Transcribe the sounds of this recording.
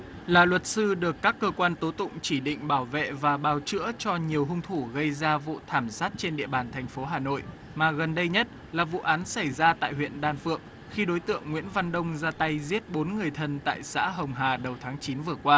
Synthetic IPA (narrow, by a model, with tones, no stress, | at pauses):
laː˨˩lwə˨˩t̚sɨ˧ɗɨ˨˩əkːaː˦˥kːəː˧kwaː˧nt̪o˨˦t̪ʊ̰˧˨ŋ͡mt͡ɕi˧˩ɗḭ̈˧˨ŋ̟ɓaː˧˩wvḛ˧˨vaː˨˩ɓaː˨˩wt͡ɕɨ̰˧˥ət͡ɕɔ˧ɲi˨˩əwɦʊ˧ŋ͡mt̪ʰu˧˩ɣə˧jzaː˧vṵ˧˨t̪ʰaː˧˩msaː˦˥t̚t͡ɕe˧nɗḭ˧˨əɓaː˨˩nt̪ʰɛ˨˩jŋ̟fo˨˦ɦaː˨˩no̰˧˨j | maː˨˩ɣə˨˩nɗə˧jɲə˦˥t̚ | laː˨˩vṵ˧˨ʔaː˨˦nsa˧˩jzaː˧t̪a̰ː˧˨jɦwḭ˧˨ənɗaː˧˩nfɨ̰˧˨əŋ | xi˧ɗo˨˦jt̪ɨ̰˧˨əŋːwḭ˧˥ənva˧nɗə˧wŋ͡mzaː˧t̪a˧jzi˦˥ət̚ɓo˨˦nŋɨ˨˩əjt̪ʰə˧˩nt̪a̰ː˧˨jsa̰ː˧˥ɦə˨˩wŋ͡mɦaː˨˩ɗə˨˩wt̪ʰaː˨˦ŋt͡ɕi˨˦nvɨ˨˩əkwaː˧